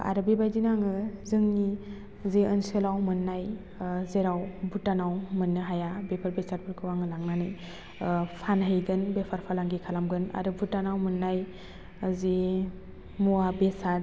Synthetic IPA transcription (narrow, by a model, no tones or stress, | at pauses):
a̰ɾɯbebajdinaŋɯzɯŋni | zeɯnselawmɯnːaj | zeɾawbutanawmɯnːɯɦajabepʰaɾbesaɾbʰɯɾkʰɯwaŋɯlaŋnanɯj | pʰanɦejɡɯnbepʰaɾpʰalaŋɡikʰalamɡɯna̰ɾɯbutanawmɯnːaj | ze | muabesaɾ